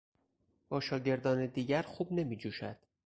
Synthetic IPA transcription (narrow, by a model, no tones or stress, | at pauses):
b̥ɒːʃɒːɟe̞ɾd̪ɒːned̪iːɟæɾχxuːbne̞miːd͡ʒuːʃæ̰d̪̥